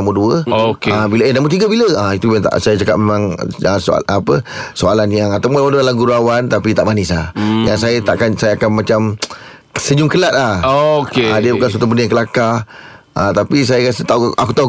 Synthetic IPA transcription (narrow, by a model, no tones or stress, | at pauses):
amuduəokeabiləenamut̪iɡəbiləait̪uat̪a̰sajət͡ʃakat̪̚memãŋəso̰apəsoalanjaŋat̪amudawadədalamɡuɾuawant̪apit̪a̰ʔmanisajaŋsajət̪aʔakansajaakanmãt͡ʃam | səɲʊmkəlat̪̚lahokeadəbukans̬wat̪up̬ənəjaŋkəlakaʔãt̪apis̬ajakasət̪auakut̪au